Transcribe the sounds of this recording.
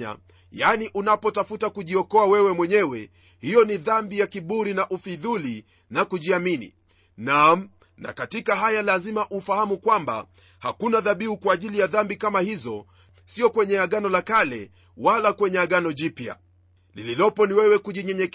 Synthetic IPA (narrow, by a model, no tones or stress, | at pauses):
a̰ | janiʔunapɔtafutakuʄiɔkɔawɛwɛmwɛɲɛwɛ | hijɔniðambijakiɓuɾinaʔufiðuli | nakuʄiaminḭ | nam | na̰katikaɦajalazimaʔufahamukwamba̰ | hakunaðaɓiukwaːʄilijaðambikamahizɔ | siɔkwɛɲɛaɠanɔlakalɛ | walakwɛɲɛaɠanɔʄipja̰ | lililɔpɔniwɛwɛkuʄiɲɛɲɛk